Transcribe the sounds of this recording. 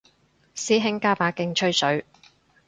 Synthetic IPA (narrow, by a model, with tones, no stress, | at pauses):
siː˨˥ɦɪ˨˥ŋkaː˧˥paː˨˧kɪ˧ŋt͡ʃʰɵ˥ɥsɵ˨˥ɥ